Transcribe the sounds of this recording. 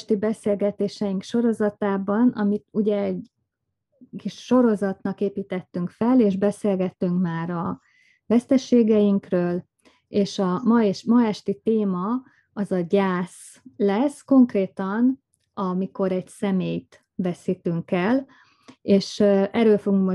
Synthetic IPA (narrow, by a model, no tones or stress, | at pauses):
ʃt̪ibɛseːlɡɛt̪eːʃɛjiŋkʃo̞ɾo̞zɒt̪aːbɒnɒ̰mit̪uɟɛːɟ | kiʃʃo̞ɾo̞zɒt̪nɒkeːpiːt̪ɛt̪ːyŋkfɛleːʒbɛseːlɡɛt̪ːyŋkmaːɾɒ | vɛst̪ɛʃeːɡɛjiŋkrøːl | eːʃɒmɒɛʃmɒɛʃt̪it̪eːmɒ | ɒzɒɟaːs | lɛsko̞ŋkreːt̪ɒn | ɒmiko̞ɾɛɟsɛmeːjt̪ | vɛsit̪yŋkɛl | eːʃɛɾøːlfoɡuŋkmo